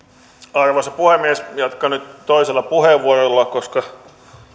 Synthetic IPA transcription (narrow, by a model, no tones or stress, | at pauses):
ɑrʋosɑpuhemːiesjɑt̪kɑnyt̪toiselːɑpuheʋʋːuorolːɑkoskɑ